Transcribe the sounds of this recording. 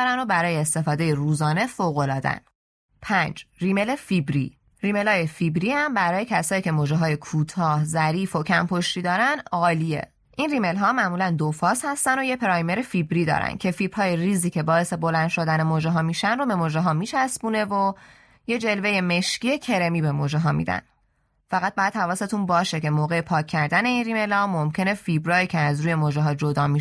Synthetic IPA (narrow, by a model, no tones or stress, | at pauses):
ɾæno̞bæɾɒːjeːst̪e̞fɒːd̪e̞jeɾuːzɒːne̞foːɣo̞lɒːd̪æ̰n | pʰænd͡ʒriːme̞le̞fibɾḭ | ɾiːme̞lɒːjefibɾihæmbæɾɒːje̞cʰæsɒːiːcʰe̞mod͡ʒeɦɒːje̞kʰuːt̪ʰɒːhzæɾiːfo̞cʰæmpʰo̞ʃt̪iːd̪ɒːɾænd̪ɒːlie̞̰ | ʔinrime̞lɦɒːmæmuːlænd̪ofɒːshæst̪ænd̪o̞jepʰeɾɒjme̞ɾefibɾiːd̪ɒ̰ːɾæ̰n̚cʰe̞fiːbhɒːjeriːziːcʰe̞bɒːe̞se̞bo̞lænd̪ʃo̞d̪æne̞moːʒeɦɒːmiːʃænro̞be̞moːʒeɦɒːmiːt͡ʃʰæsbune̞vo | je̞d͡ʒe̞lve̞jeme̞ʃciːe̞cʰe̞ɾe̞miːbe̞mod͡ʒeɦɒːmḭd̪æ̰n | fæɣæt̪̚bɒjæt̪hævɒːse̞t̪ʰunbɒːʃe̞ce̞moːɣe̞epʰɒːcʰːæɾd̪æne̞iːnrime̞lhɒːmo̞mcʰe̞ne̞fibɾɒːjiːcʰeæzɾuːjemoːʒeɦɒːd͡ʒo̞d̪ɒːmi